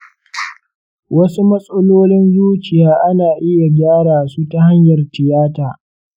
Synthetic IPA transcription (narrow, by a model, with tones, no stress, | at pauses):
wɐ˦su˦mɐ˦sʼɐ˦loː˦lɪ˦nzuː˦t͡ʃɪ˨jaː˦ʔa˦naː˨ʔɪ˦ja˨ɡʲaː˦ɽaː˨su˦ta˨ha˦ɲjɐ˨rtɪ˨jaː˦taː˨